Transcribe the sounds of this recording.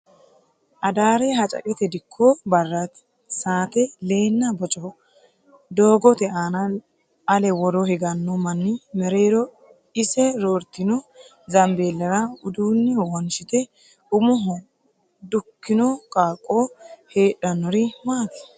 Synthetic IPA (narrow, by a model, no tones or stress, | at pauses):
ʔɐd̪aːɾɛɦɐt͡ʃʼɐ̰kʼɛt̪ɛd̪ɪkʰːɔbɐrːɐt̪ | saːt̪ɛle̞ːnːɐbɔt͡ʃʼɔ | d̪o̞ːɡɔt̪ɛaːnɐ | ɐlɛwɔɾɔhɛɡɐnːɔmɐnːɪmɛɾeːɾɔ | ɪsɛɾoːɾt̪ːɪnɔ | zɐmbeːlːɐɾɐʊd̪uːnːɪwɔnʃɪt̪ɛ | ʊmʊɦɔ | d̪ʊkːɪnɔkʼaːkʼːoheːᶑɐnːɔɾɪmaːt̪ɛ̥